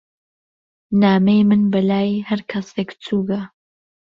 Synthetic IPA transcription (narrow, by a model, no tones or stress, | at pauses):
naːmejmɨnbɐlaːjhɐɾkʰɐseːkt͡sʰuːɡɐ